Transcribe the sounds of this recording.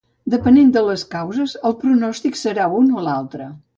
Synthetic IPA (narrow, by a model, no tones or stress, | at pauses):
d̪əpənend̪ələskawzəzəlˠpɾunɔst̪iksəɾaunolalˠt̪ɾə